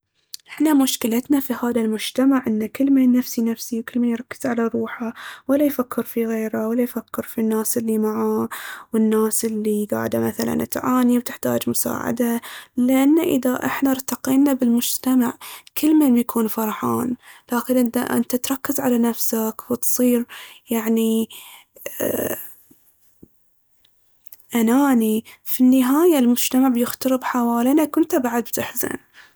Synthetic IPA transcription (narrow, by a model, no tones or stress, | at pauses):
ʔɪħnamʊʃkɪlat̪nafihaːðalmʊd͡ʒt̪amaʕʔɪnːakɪlːmeːnːafsinafsiwkɪlːmeːnjɾˤɑkːɪ̥z̥ʕalaɾˤuːħawalːajfakːɪɾfiɣeːɾawalːajfakːɪɾfinːaːsʔɪlːimaʕawɪnːaːsʔɪlːiɡa̰ːʕɪd̪amaθala̰nʔat̪ʕaːniwt̪ɪħt̪a̰ːd͡ʒmʊsa̰ːʕa̰d̪alɪʔanːaʔɪðaʔɪ̰ħnaɾˤt̪aqiːnabɪlmʊd͡ʒt̪amaʕkɪlːmeːnbjakʰuːnfɑɾˤħaːnlaːkɪnʔɪnt̪a̰ʔɪ̰nt̪at̪ɾˤɑkːɪzʕalanafsakwɪt̪sˤiːɾjaʕni | ʔanaːnifinːɪɦaːjalmʊd͡ʒt̪amaʕbjɪxt̪ɑɾɨbħawaːlinakʊnt̪abaʕad̪̚bt̪ɪħza̰n